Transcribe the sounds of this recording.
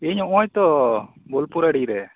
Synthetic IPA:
iɲɔjt̪ɔ | bolpuɾaɽiɾɛ

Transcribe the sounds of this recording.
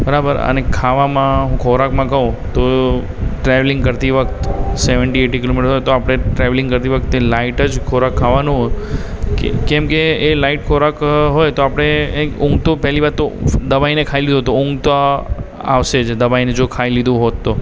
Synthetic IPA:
bəɾabəɾə̰nekʰaʋamãɦũkʰoɾakmãkəũ | t̪o | ʈɾeʋlɪ̃ŋɡkəɾt̪iʋəkt̪seʋəɳʈieʈikilomiʈəsɦojt̪oapɽ̃eʈɾɛʋlɪ̃ŋɡkəɾt̪iʋək̚t̪elaiʈəd͡ʒkʰoɾakʰːaʋanũɦoj | kḛkɛmkeːlaiʈkʰoɾakɦojt̪oapəɽ̃eeʊ̃ŋɡt̪opɛɦliʋaɾt̪ːod̪əʋainekʰailid̪uɦt̪oʊ̃ŋɡt̪o | a̰ʋʃed͡ʒd̪əʋained͡ʒokʰailid̪ũɦot̪ːo

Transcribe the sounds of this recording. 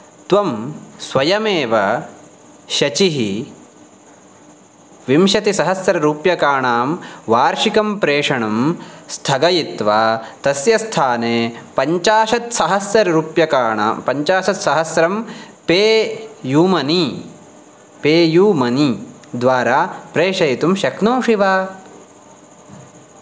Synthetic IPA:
t̪ʋɐmsʋɐjɐmeːʋɐ | ʃɐt͡ʃiɦi | ʋimʃɐt̪isɐɦɐsɾɐɾuːpjɐkaːɳaːmʋaːɾʂikɐmpɾeːʂɐɳɐmst̪ʰɐɡɐjit̪ʋaːt̪ɐsjɐst̪ʰaːneːpɐɲt͡ʃaːʃɐt̪sɐɦɐsːɐɾɐɾuːpjɐkaːɳa̰ːpɐɲt͡ʃaːʃɐt̪sɐɦɐsɾɐm | peːjuːmɐni | peːjuːmɐni | d̪ʋaːɾaːpɾeːʂɐjit̪umʃɐknoːʂiʋaː

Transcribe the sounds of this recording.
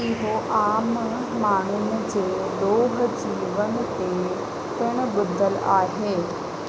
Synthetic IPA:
ɪɦoʔaːm | maːɳ̤̃ʊn̆d͡ʑeː | d̪oːɦd͡ʑiːʋənɪ̆t̪e | t̪ɪɽ̃bʊd̪əlaːɦeː

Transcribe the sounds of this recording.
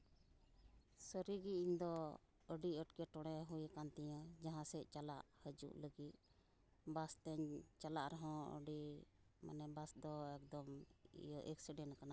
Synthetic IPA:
səɾiɡiiɲd̪ɔ | əɖiəʈkɛʈɔɽ̃ɛɦujkant̪ɛjãd͡ʒaɦãsɛʔt͡ʃalaʔhəd͡ʒṵʔləɡit̪̚ | bast̪ɛɲt͡ʃalaʔɾɔɦɔ̃ə̰ɖi | ma̰nɛbasd̪ɔɛk̚d̪ɔmjɔʔɛksiɖɛnkana

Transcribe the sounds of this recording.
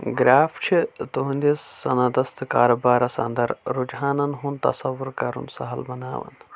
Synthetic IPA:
ɡɾaːft͡ʃʰit̪uɦũnd̪ʲisːɐnɐd̪ɐst̪ɨkaːɾɐbaːɾɐsɐ̰nd̪ɐɾɾud͡ʒɦaːnɐnɦunt̪ɐ̰sɐʋuɾkɐɾṵnsɐɦɐlbɐna̰ːʋɐ̰n

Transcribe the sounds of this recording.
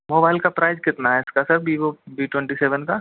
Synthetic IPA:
moːbaːɪlkapɾaːɪzkɪt̪naɦɛɪskasɐɾbʱiːobiːʈwɛ̃ɳʈiseːʋənka

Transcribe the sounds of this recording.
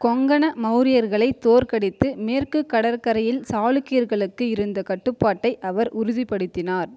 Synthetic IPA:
kɔŋɡɐɳɐmɐʊɾɪjɐɾɣɐɭɐɪt̪ːoːɾkɐɽɪt̪ːɯmeːrkɯkːɐɽɐɾkɐɾɐjɪlsaːɭɯkːijɐɾɣɐɭɯkːɯɪɾɯnd̪ɐkɐʈːɯpːaːʈːɐɪʔɐʋɐɾʔʊɾʊðɪpːɐɽɯt̪ːɪnaːɾ

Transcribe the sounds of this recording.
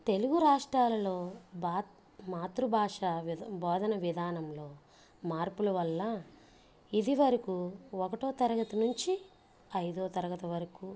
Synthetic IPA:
t̪e̞luɡuɾaːʂʈɾaːlɐlo̞ːba | maːt̪ɾubʱaːʂɐbɔːd̪ʱɐnɐʋid̪ʱaːnɐmlo̞ː | maːɾpulɐʋɐlːɐ | id̪iʋɐɾɐkuɔkɐʈoːt̪ɐɾɐɡɐt̪ɐnuɲt͡ʃi | ɐjd̪oːt̪ɐɾɐɡɐt̪ɐʋɐɾɐku

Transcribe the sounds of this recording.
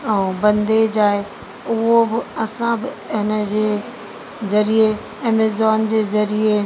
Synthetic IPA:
ɛ̃bɐ̃nd̪ed͡ʑaːɦe | ʊɦobɪɐsãbɪɦɪnəd͡ʑeː | zɐɾie | ɐːmezɔːnd͡ʑeːzɐɾie

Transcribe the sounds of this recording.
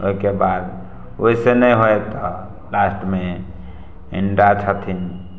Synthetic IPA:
o̰ikebad̪ | oɦisenəjɦojt̪ɔ | lasʈme | iɳɖat͡ʃʰət̪ʰin

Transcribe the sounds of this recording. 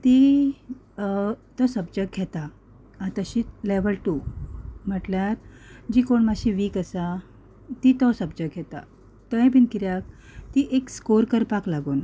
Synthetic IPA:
t̪i | t̪ɔsəb̚d͡ʑək̚ɡʱɛt̪a | at̪aɕileʋəlʈum̤əʈljaɾd͡ʑiːkoɳmaɕiʋiːkəsa | t̪it̪ɔsəb̚d͡ʑəɡ̚ɡʱɛt̪a̰ | t̪ə̃j̃pinkiɾjak̚ | t̪iʔekskoɾkəɾpaklaɡuːn

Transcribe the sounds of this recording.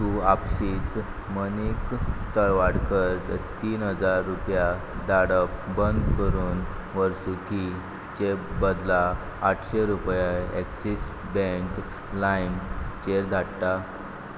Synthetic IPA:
t̪uapsiːt͡s | mənikt̪əɭʋaɽkəɾt̪iːnɦəd͡zaɾːupja | d̪aɽəpbənd̪kəɾuːn | ʋəɾsuki | t͡ɕebəd̪laː | ʈʰɕeɾupjaeksis | bẽŋk | lajmt͡ɕeɾd̪ʱaɽʈa

